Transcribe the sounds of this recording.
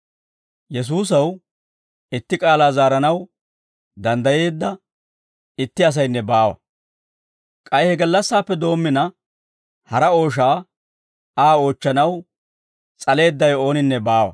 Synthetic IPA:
jɛs̬uːs̬ɐw | ɪt̪ːɪkʼaːlaːzaːɾɐnɐw | d̪ɐnd̪ɐje̞ːd̪ːɐ | ɪt̪ːɪɐs̬ɐjnːɛbaːwɐ̰ | kʼɐjhɛɡɐlːɐsːaːpːɛd̪o̞ːmːɪnɐ | hɐɾɐo̞ːʃ̬aː | aːo̞ːt͡ʃːɐnɐw | t͡sʼɐle̞ːd̪ːɐjo̞ːnɪnːɛbaːwɐ̰

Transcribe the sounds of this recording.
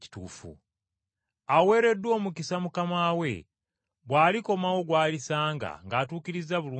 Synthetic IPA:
i̥tuːfṵ | awe̞ɾe̞dwo̞ːmukisamukamaːwe̞̰ | βwaːliko̞mawo̞ɡwaːlisaːŋɡa̰ŋɡaːtuːkiɾizaβuluː

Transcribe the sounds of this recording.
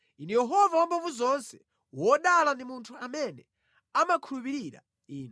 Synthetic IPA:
inɛjɛɦɔvawɔmbavuzɔnsɛ | wɔɗalandimuntʰuamɛnɛ | amakʰulupiɾiɾa̰ | iːnɔ

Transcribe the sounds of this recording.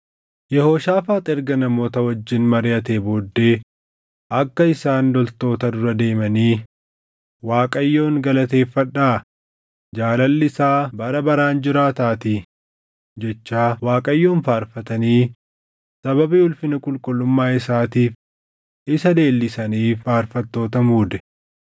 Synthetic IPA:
jɛhoːʃaːfaːt̪ʼɛɾɡɐnɐmo̞ːt̪ɐwɐd͡ʒːɪnmɐɾɪjɐt̪eːboːd̪ːe̞ː | ʔɐkːɐɪsaːnd̪ɔlt̪o̞ːt̪ɐd̪ʊɾɐd̪e̞ːmɐniː | waːkʼɐjːo̞ːŋɡɐlɐt̪e̞ːfːɐᶑːaː | d͡ʒaːlɐlːɪsaːbɐɾɐbɐɾaːnd͡ʒɪɾaːt̪aːt̪ɪ | d͡ʒɛt͡ʃːaːwaːkʼɐjːo̞ːnfaːɾfɐt̪ɐniː | sɐbɐbiʊlfɪnɐkʼʊlkʼʊlːʊmːaːɪsaːt̪iːf | ɪsɐd̪e̞ːlːɪsɐniːfaːɾfɐt̪ːo̞ːt̪ɐmuːd̪ɛ̥

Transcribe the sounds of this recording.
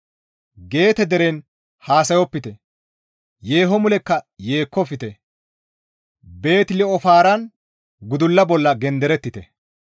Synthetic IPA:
ɡe̞ːt̪ɛd̪ɛɾen | haːsɐjɔpːɪt̪ɛ | je̞ːɦɔmʊlɛkːɐje̞ːkʰːɔfɪt̪ɛ | be̞ːt̪lɛɔfaːɾɐn | ɡʊd̪ʊlːɐbɔlːɐɡɛnd̪ɛɾɛt̪ːɪt̪ɛ

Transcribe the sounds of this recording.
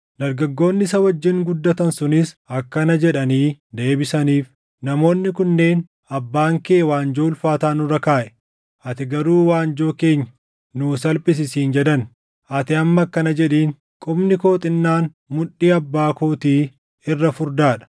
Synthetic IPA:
d̪ɐɾɡɐɡːo̞ːnːɪsɐwɐd͡ʒːɪŋɡʊd̪ːɐt̪ɐnsʊnɪsɐkːɐnɐd͡ʒɛᶑɐniːd̪e̞ːbɪsɐniːf | nɐmo̞ːnːɪkʊnːe̞ːn | ɐbːaːŋkeːwaːnd͡ʒoːlfaːt̪aːnʊɾɐkaːʔɛ | ɐt̪ɪɡɐɾuːwaːnd͡ʒoːke̞ːɲːɐ | nuːsɐlpʼɪs̬ɪsiːnd͡ʒɛd̪ɐn | ʔɐt̪ɪɐmːɐkːɐnɐd͡ʒɛᶑiːŋ | kʼʊbnɪko̞ːt̪ʼɪnːaːn | mʊᶑːiːɐbːaːkoːt̪iː | ɪrːɐfʊɾd̪aːᶑɐ̥

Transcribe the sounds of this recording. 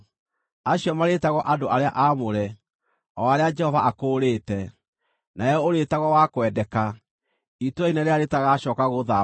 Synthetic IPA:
aɕiɔmaɾetaɣɔʔadoʔaɾeaʔamoɾɛ | ɔaɾead͡ʒɛhɔvaʔakoːɾeːtɛ | naɛjɔoɾetaɣɔwakwɛdɛka | itoɛinaɾeaɾetaɣaɕɔːkaɣoða

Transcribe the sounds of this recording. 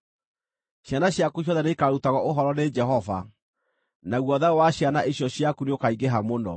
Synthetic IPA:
ɕjanaɕjakuɕ̬jɔðɛneikaɾutaɣɔʔoɦɔɾɔned͡ʒɛɦɔva̰ | naɣwɔðawaɕjanaʔeɕjɔɕjakuneokaiɡeɦamonɔ̰

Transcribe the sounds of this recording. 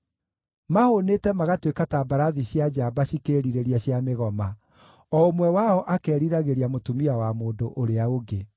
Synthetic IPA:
mahoneːtɛmaɣatwekatabaɾaðiɕjad͡ʒaːbaɕikeɾiɾeɾiaɕjameɣɔma | ɔomwɛwaɔʔakɛːɾiɾaɣeɾiamotumiawamoːndoʔoɾeaoɡe

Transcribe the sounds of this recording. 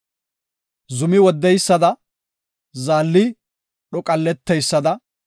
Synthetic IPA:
zʊmɪwɔd̪ːɛjsːɐd̪ɐ | zaːlːɪ | ɗɔkʼɐlːɛt̪ːɛjsːɐd̪ɐ

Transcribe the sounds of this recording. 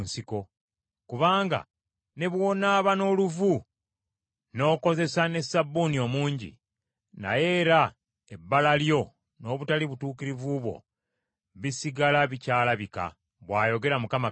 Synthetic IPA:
nsiko̞ | kuβaːŋɡa̰ | ne̞βwo̞ːnaːβano̞ːluvu | no̞ːko̞ze̞sane̞sabːunio̞muːɲɟḭ | na̰je̞ːɾa | e̞bːalaljo̞ | no̞ːβutaliβutuːkiɾivuβwo̞̰ | βisiɡalaβicaːlaβika̰ | βwaːjo̞ɡe̞ɾamukama

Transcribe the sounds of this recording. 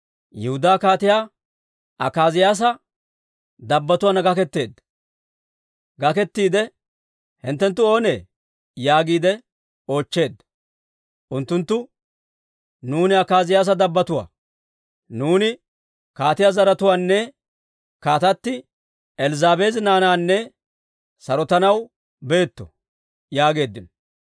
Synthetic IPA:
jɛhʊd̪aːkaːt̪ɪjaː | ɐkaːzɪjaːs̬ɐ | d̪ɐbːɐt̪ʊwanɐɡɐkɛt̪ːe̞ːd̪ː | ɡɐkɛt̪ːiːd̪ɛ | hɪnt̪ːɛnt̪ːʊo̞ːneː | jaːɡiːd̪ɛ | o̞ːt͡ʃːe̞ːd̪ | ʔʊnt̪ːʊnt̪ːʊ | nuːnɪɐkaːzɪjaːs̬ɐd̪ɐbːɐt̪ʊwa̰ː | nuːnɪ | kaːt̪ɪjazɐɾɐt̪ʊwaːnːɛ | kaːt̪ɐt̪ːɪ | ɛlzaːbeznaːnaːnːɛ | sɐɾɔt̪ɐnɐw | be̞ːt̪ːɔ̰ | jaːɡe̞ːd̪ːɪn

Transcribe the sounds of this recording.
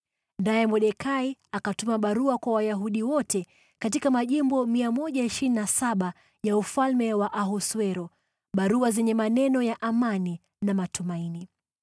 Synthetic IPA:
najɛmɔɗɛkʰaiakatumaɓaɾuakwawajaɦuɗiwɔtɛ | katikamaʄimbɔmiamɔʄaiʃɾininasaɓa | jaufalmɛwaʔaɦɔswɛɾɔ | ɓaɾuazɛɲɛmanɛnɔjaʔamani | namatumaini

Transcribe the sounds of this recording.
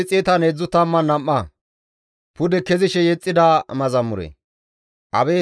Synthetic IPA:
t͡sʼeːt̪ɐned͡zːʊt̪ːɐmːɐnɐmːɐ | pʊd̪ɛkɛzɪʃɛjɛt͡sʼːɪd̪ɐmɐzɐmːʊɾɛ̰ | ʔɐbɛː

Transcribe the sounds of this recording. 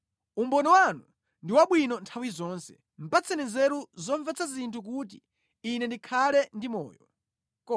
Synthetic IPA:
umbɔnɔwanu | ndiwaɓwinɔntʰawizɔːnsɛ̥ | m̩pat͡sɛnɛzɛɾuzɔɱvɛt͡sʰazintʰuk̬ut̬iː | nɛndikʰalɛndimɔ̰ːjɔ | kɔ

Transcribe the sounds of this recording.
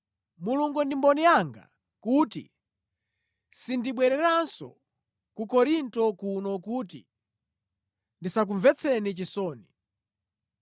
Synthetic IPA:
muluŋɡɔndimbɔnijaŋɡa̰ | kutḭ | sindiɓwɛɾɛɾansɔ̰ | kukɔɾintɔkunɔkutḭ | ndisak̬uɱvɛt͡sʰɛnit͡ʃisɔːni

